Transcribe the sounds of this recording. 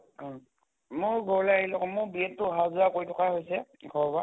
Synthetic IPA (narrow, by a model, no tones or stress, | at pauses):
mʊɹɡʱɔɹɔleaɦilɔkɔmʊbiɛtːʊɦazuakojtʰɔkaɦojsɛɡʱɔɹba